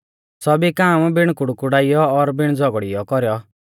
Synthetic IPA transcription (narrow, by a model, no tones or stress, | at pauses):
sɔbikaːmbɪɽ̃kʊɽukʊɽaijɔːɾbɪɽ̃d͡zɔɡɽijɔkɔɾjɔ